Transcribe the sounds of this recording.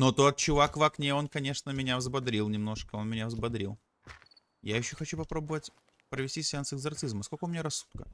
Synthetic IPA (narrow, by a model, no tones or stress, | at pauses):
not̪oɐt̪̚t͡ɕʊvakvaknʲeo̞nkɐnʲe̞ʂnəmʲɪnʲavzbɐd̪ɾʲilˠnʲɪmno̞ʂkəo̞nmʲɪnʲavzbɐd̪ɾʲilˠ | jajɪɕːoxɐt͡ɕupɐpɾo̞bəvətʲ | pɾəvʲɪsʲtʲisʲansɨɪɡzɐrt̪sɨzməskolkəʊmʲɪnʲaɾɐsːu̥t̪̚kə